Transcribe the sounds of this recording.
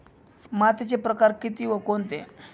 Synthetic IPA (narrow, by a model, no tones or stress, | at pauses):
mat̪et͡ɕepɾəkaɾkit̪iːʋəkont̪ḛ̃